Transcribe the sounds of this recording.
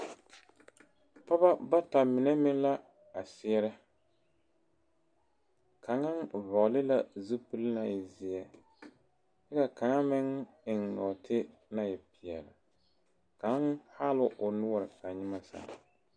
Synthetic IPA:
pa˦ba˦ba˦ta˨mɪ˨nɛ˦mɪ˦ŋ˦la˦ | a˨sɪ˦ɛ˦ɾɪ˦ | ka˨ŋa˦ŋvɔ˨ʔlɪ˦la˦zɨ˦pu˦lna˨jɪ˨zɪ˦jɛ˨ | jɛ˦ka˨ka˨ŋa˦mɪ˦ŋ | ɪ˨ŋnɔ˨tʰɪ˦ | na˦jɛ˨pɪ˨ɛ˨ɾɪ̰˨ | ka˨˦ha˦lʊ˦ʔʊ˨nʊ˦ɔ˨ɾɪ˨ka˨ɲɪ˦ma˦sa̰˨

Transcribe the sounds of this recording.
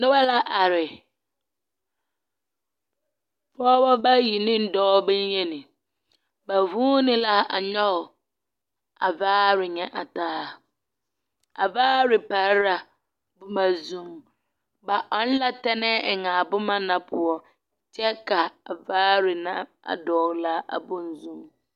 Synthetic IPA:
nɪ̃˦wa˦la˦ʔa˨ɾɪ˨ | fɔː˦bɔ˦ba˦ji˨nɪ̃˦n̩˦dɔː˦bɛ˦ɲ˦ɲɛ̃˦nɪ̃˨ | ba˨vũː˦nɪ̃˦la˦a̰˨ɲɔ˦˨ | a̰˨vaː˦ɾɪ˨ɲɛ̃˨ʔa˨taː˦ | a˨vaː˦ɾɪ˨pa˨ɾɾa˨ | bʊ˦mã˨zũ˦m | ba˨ʔɔ˨n̩˦la˦tɛ˦nɛ˦ɛ˨ŋã˨bʊ˦mã˦nã˨pʰʊ˨ɔ˨ | t͡ʃʰɛ˦kʰa˨a˨vaː˦ɾɪ˨nã˦ | a̰˨dɔː˨ɣla˦ʔa̰˨bũ˦n̩˨zũ˦m

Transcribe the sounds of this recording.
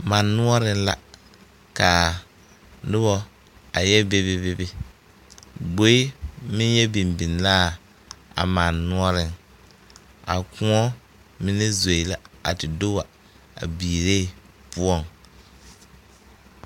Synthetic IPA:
ma˨nːu˦ɔ˦ɾɪ˦nla˦ | ka˨ | nɪ˦bɔ˦ | a˨jɛ˦be˦be˦be˦bɪ˦ | ɡ͡bo˦i˦mɪ˦njɛ˦bi˨mbi˨n˨laː˦˨ | a̰˨ma˨nːu˦ɔ˦ɾɪ˦ŋ | a̰˨ku˦ŋɔ˦ | mɪ˦nɪ˦zo˨i˨la˦a̰˨tɪ˨do˦wa˨ | a̰˨biː˨ɾe˦˨ | pu˦ɔ˦˨ŋ

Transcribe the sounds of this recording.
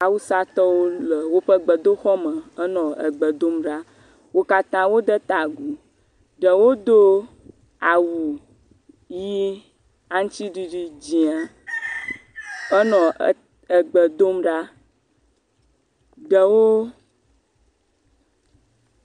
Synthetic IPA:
a˨wu˦sa˦t̪ɔ˦wo˦lə˨wo˦ɸə˦ɡ͡bə˨d̪o˦xɔ˦mə̃˨ə˦nɔ̃˨ə˨ɡ͡bə˨d̪o˦mɖa˦ | wo˦ka˦t̪ã˦wo˦d̪ə˦t̪a˨ɡu˨ | ɖə˨wo˦d̪o˦ | a˨wu˨ | ji˦ | a˦ŋ̩˦t͡ʃi˦ɖi˦ɖi˦d͡ʑi˨a˨ | ə˦nɔ̃˨ | ə˨ɡ͡bə˨d̪o˦mɖa˦ | ɖə˨wo˦

